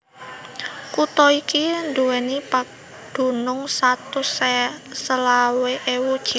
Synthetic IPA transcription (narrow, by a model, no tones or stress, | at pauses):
kut̪ɔikind̪uwɛnipak̚ | d̪̥ṳnʊŋsat̪usesəlaweʔewud̥ʒ̥i